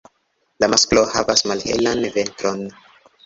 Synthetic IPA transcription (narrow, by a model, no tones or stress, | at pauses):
lamasklohavasmalhḛlanve̞ntɾon